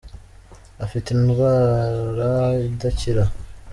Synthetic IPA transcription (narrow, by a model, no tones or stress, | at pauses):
afitinuɣaɾadaciɾa